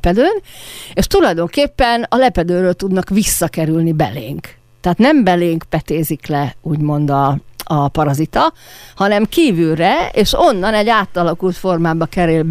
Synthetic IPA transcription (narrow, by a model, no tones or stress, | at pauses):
pɛd̪øːneːʃt̪ulɒjd̪o̞ŋkeːpːɛnɒlɛpɛd̪øːɾøːlt̪ud̪nɒkʋisːɒkɛɾylnibɛ̰lḛːŋk | t̪ɛaːt̪nɛmbɛleːŋkpɛt̪eːziklɛuːɟmo̞nd̪ɒɒpɒɾɒzit̪ɒhɒnɛmkiːvylrɛeːʃo̞nːɒnɛɟːaːt̪ːɒlɒkult̪fo̞rmaːbɒkɛɾelb